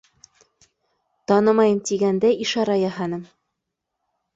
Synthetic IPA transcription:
t̪ɒnɤmɑjɤmt̪iɡænd̪æʔiʃɑɾɑjɑɦɑnɤm

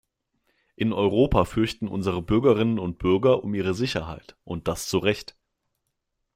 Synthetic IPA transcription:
ʔɪnɔʏʁoːpʰafʏɐçtn̩ʔʊ̰nzəʁ̞əbʏɐɡɐʁɪnənʊnt̚b̥ʏɐɡɐʔʊmiːʁ̞əzɪçɐɦa̰ɪtʔʊnt̚d̥ast͡suʁɛçt

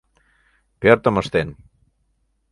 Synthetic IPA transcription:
peoɾt̪omost̪en

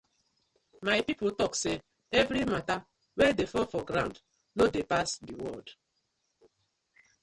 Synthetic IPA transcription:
majpipʊtɔkse | evɾimata | wedefɔfɔɡɾã̰nd | nodepasdiwɔ̰d

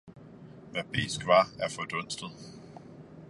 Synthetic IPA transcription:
mæb̥e̝̰ːsɡ̥ʋɑ̈æɐfɒd̥ɔ̽n̰sd̥ð̩ˠ

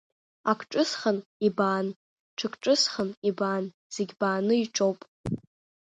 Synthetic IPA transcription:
akʷʰʈ͡ʂʼɨsχənibaːn | ʈ͡ʂʰɨkʷʰʼʈ͡ʂʼɨsχənibaːn | z̥eɡʲbaːnɨiʈ͡ʂʼowpʼ

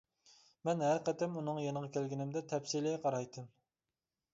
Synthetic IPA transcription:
mɛnɦæɾqɛt̪ɛmunɨŋjenəʁɑkʲʰælɡʲinɪmd̪ɛt̪ʰɛpsilɪjqʰɑɾɑjt̪ʰɨm

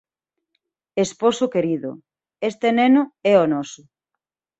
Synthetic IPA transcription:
esposʊkeɾiðʊ̰ | est̪enenʊɛɔnɔsʊ

